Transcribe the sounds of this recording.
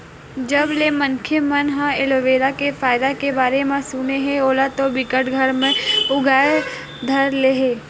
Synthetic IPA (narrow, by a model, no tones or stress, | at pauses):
d͡ʒəblemə̃nkʰjemənɦãeloʋeːɾakefʰaːɪd̪akebaːɾemẽsuneɦẽoːlat̪obɪkəʈɡʱəɾmẽʊɡʱaːe | d̪ʱəɾleɦeː